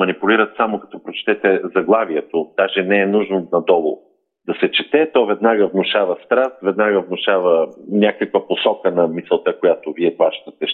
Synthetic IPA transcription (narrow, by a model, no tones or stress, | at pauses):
mɐnipʊliɾət̪samokɐ̥t̪ɔpɾot͡ʃt̪ɛt̪ɛzɐɡlˠaviɛt̪od̪̥aʒɛnɛːnuʒnonɐd̪ɔlˠʊ̰ | d̪ɐsɛt͡ʃɛt̪ɛt̪ɔvɛd̪naɡəvnʊʃavɐst̪ɾast̪vɛd̪naɡəvnʊʃavənʲakəkvəposɔkənɐmisɛlˠt̪əkojat̪oviɛp̪vˠaʃt̪ət̪ɛ